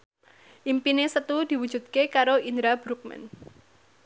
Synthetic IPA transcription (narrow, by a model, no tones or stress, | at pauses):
ʔimpinesət̪ud̪̥i̤wu̥ʒ̥ṳd̪̚kekaɾoind̪ɾab̥ɾuk̚mɛ̰n